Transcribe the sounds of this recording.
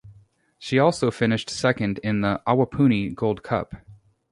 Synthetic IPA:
ʃiɔlˠsoʊfɪ̃nɨʃtsɛkɨ̃ndɪ̃nðiʔɑwəpʰʉ̃ñiɡoʊlˠd̚kʰʌ̰p

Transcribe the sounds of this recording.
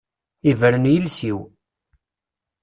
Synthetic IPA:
ivəɾənjəlsiw

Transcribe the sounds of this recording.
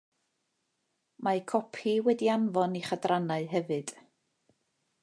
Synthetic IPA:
makʰɔpʰiwɛdianvɔniχadranaɨɦɛvɨd̥

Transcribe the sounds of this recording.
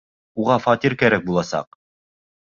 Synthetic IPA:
uʁɑfɑt̪iɾkæɾæk̚bulˠɑsɑ̰q̚

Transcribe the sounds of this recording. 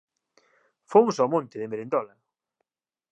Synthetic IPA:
fomʊsawmõnt̪ɪðemeɾend̪ɔla

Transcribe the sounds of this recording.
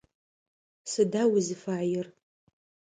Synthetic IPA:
sɨdawizifaʕjɪr

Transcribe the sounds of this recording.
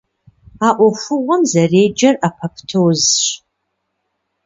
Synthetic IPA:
aːʔʷɔfʷʊʁʷɔmzɐreːd͡ʒɐrapʰɐpʰtʰɨwzɕ

